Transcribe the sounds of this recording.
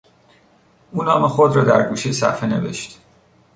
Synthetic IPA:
ʔuːnɒːmexod̪rɒːd̪æɾɡuːʃejsæ̰fene̞̰ve̞̰ʃt̪

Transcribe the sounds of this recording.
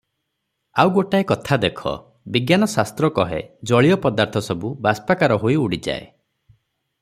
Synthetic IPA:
awɡoʈaekɔt̪ʰad̪ekʰɔ̰ | biɡjanɔsast̪ɾɔkɔɦḛd͡ʒɔɭijɔpɔd̪aɾt̪ʰɔsɔbubaspakaɾɔɦoiuɽid͡ʒa̰e

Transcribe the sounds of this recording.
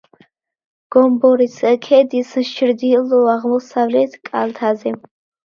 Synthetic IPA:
ɡ̥ɔmbɔɾisəkʰɛd̪isɨʃt͡ʃʰɪɾd̪ilɔaʁmɔsavlɛt̪ʰkʼalt̪ʰazɛ

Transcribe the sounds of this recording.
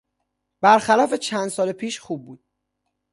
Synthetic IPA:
b̥æɾxælɒːfe̞t͡ʃʰænd̪sɒːlepʰiːʃxuːb̚ːuːd̪̥̚

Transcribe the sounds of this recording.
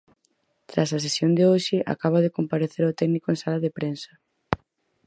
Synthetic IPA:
t̪ɾas̬ɐs̬esjond̪ɪoʃɪʔa̰kaβ̞aðekompaɾeθeɾʊt̪ɛɡnikoeŋsalaðepɾensɐ̥

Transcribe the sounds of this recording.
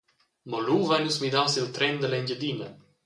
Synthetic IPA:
mɔluvanusmid̪awsilt̪ɾɛnd̪əlɛɲɟəd̪inə

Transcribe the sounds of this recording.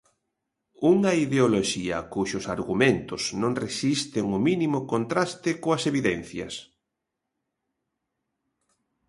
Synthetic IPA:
uŋɐiðeoloʃiɐ̰kuʃʊsaɾɣumẽnt̪ʊsnõŋresist̪ɪŋʊminimʊkont̪ɾast̪ɪkoɐseβiðɛn̟θjɐ̰s

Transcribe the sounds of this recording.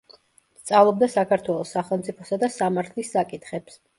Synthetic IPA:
st̪sʼavlˠɔb̚d̪asakʰaɾt̪ʰwɛlˠɔsːaχɛlˠmt̪sʼipʰɔsad̪asamaɾt̪ʰlisːakʼit̪ʰχɛps

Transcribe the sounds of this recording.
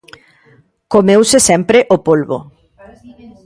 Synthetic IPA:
komewsesɛmpɾeʔopolβo̰

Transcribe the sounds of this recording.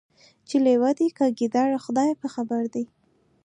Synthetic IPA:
t͡ʃelewad̪ikəɡid̪ɑɾaxʊd̪ɑjpəxabaɾd̪i

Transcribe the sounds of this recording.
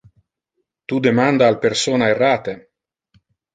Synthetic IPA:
t̪ud̪emand̪aːlpeɾsoːnaerːaːt̪e

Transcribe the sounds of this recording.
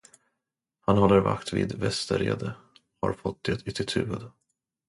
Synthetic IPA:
hanhɔlːəɾva̰kt̪vḭːd̪vɛst̪əɾeːd̪ə | ha̰ɾfɔt̪̚ːd̪et̪ʰʏt̪ʰɪt̪ʰʉ̟ːvəd̪

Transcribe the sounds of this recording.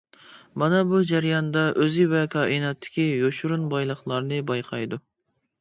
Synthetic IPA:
mɑnɑbud͡ʒæɾjɑnd̪ɑʔøzɪvɛkʰɑːʔinɑt̪ʰːɪ̥kʲijoʃuɾunbɑjlˠəχlˠɑɾnɨbɑjqʰɑjd̪u

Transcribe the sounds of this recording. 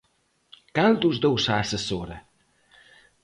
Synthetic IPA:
kald̪uzd̪owsaːsəsoɾə

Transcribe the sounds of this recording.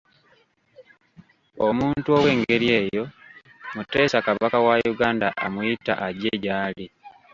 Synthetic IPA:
omuːntuo̞we̞ːŋɡe̞ɾie̞ːjo̞ | mute̞ːsakaβakawajuɡaːndaʔamujita̰ʔaɟeɟaːli

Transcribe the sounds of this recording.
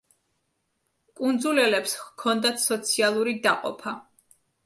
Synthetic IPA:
kʼund̪zulɛlɛpskʰɔnd̪at̪ʰsɔt̪sʰialˠuɾid̪aqʼɔ̰pʰa

